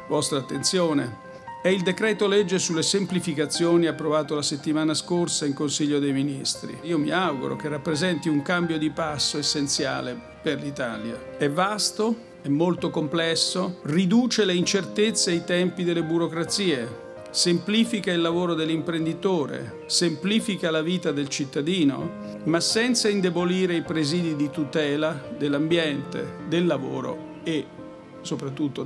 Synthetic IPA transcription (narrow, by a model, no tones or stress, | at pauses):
vɔst̪ɾaːt̪ːent̪sjoːne | ɛild̪ekɾɛːt̪olɛd͡ʒːesulːesemplifikat̪sːjoːniapːɾovaːt̪olaset̪ːimaːnaskorsaiŋkonsiʎːod̪ejminist̪ɾḭiːomḭawɡṵɾo̰k̟erːapːɾezɛnt̪iuŋkambjod̪ipasːoesːent̪sja̰ːle | perlit̪aːlja̰ɛvːast̪o | ɛmːolt̪okomplɛsːorid̪uːt͡ʃeleint͡ʃert̪et̪sːeajt̪ɛmpid̪elːebuɾokɾat̪siːe | sempliːfikailːavoːɾod̪elːimpɾend̪it̪oːɾḛ | sempliːfikalaviːt̪ad̪elt͡ʃit̪ːad̪iːno̰ | masɛnt̪saind̪eboliːɾeipɾeziːd̪id̪it̪ut̪ɛːlad̪elːambjɛnt̪ḛd̪elːavo̰ːɾo̰ | e | sopɾat̪̬ːut̪ːo